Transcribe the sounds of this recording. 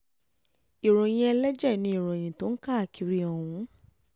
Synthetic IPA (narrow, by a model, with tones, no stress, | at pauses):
i˨ɾ̃õ˨j̃ĩ˧ɛ˧lɛ˦d͡ʒɛ˦˨nĩ˧i˨ɾ̃õ˨e˨j̃ĩ˨to˨˦n̩˦ka˦a˨ki˨˧ɾi˧ɔ̃˨wũ˨˦